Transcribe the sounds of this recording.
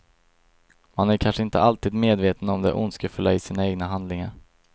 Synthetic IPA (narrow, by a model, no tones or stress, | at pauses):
manæɾkʰanʂəɪnt̪ə̰alt̪iːd̪meːd̪veːt̪ənɔmd̪ɛ̰ɾʔʊ̰nskəfɵlːaɪsiːnaeːɡnaɦand̪lɪŋaɾ